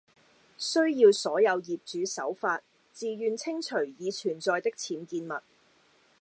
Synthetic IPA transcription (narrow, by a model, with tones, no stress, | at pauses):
sɵ˥ɥjiː˧wsɔː˨˥jɐ˨˧wjiː˨p̚t͡ʃyː˨˥sɐ̰˨˥wfaː˧t̚ | t͡siː˨jyː˨˧nt͡sʰɪ˥ŋt͡ʃʰɵ˨˩ɥjiː˨˧t͡ʃʰyː˨˩nt͡sɔː˧jt̪ɪ˥k̚t͡sʰiː˨˥nkiː˧nmɐ˨t̚